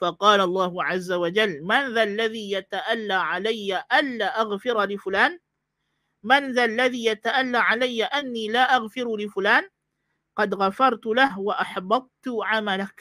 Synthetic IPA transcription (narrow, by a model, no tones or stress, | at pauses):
fɑqɑːlalˤːɑːhʊʕazːawad͡ʒalːmanðalːaðiːjat̪aʔalːaːʕalajːaʔanːaːʔaɣfɪɾlɪfʊlaːn | manðalːaðiːjat̪aʔalːaːʕalajːaʔanːiːlaːʔaɣfɪɾlɪfʊlaːn | qɑd̪ɣafɑɾˤt̪ʊlahwaʔɑħbɑd̪̚ˤt̪ʊʕamalak